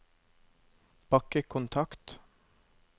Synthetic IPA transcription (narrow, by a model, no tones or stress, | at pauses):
pʰɑkəkʰʊnt̪ʰɑkt̪